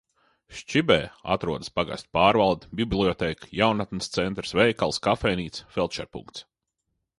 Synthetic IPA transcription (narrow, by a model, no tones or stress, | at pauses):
ʃt͡ʃibɛːa̰t̪ɾuɔd̪ɨspaɡa̰sʲt̪ʲpaːɾvalˠd̪bʲiblʲˠiɔt̪ɛːkjawnat̪nist̪sɛnt̪ɾsvɛjkalˠskafɛjniːt̪sfɛlˠt̪ʃɛ̰ɾpṵŋkt̪s